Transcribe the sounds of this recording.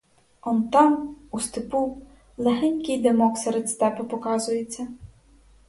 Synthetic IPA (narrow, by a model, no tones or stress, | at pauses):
ɔnt̪ɑmust̪ɪpu | lˠeɦɛnʲkʲɪjd̪emɔksɛɾet̪ʲst̪ɛpɪpɔkɑzʊjet͡sʲːɐ